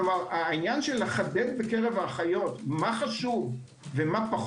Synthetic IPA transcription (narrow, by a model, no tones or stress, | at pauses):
omaʁainjanʃelːeχad̪et̚bekeʁevaχajo̞tmaχaʃuv | vemapaχ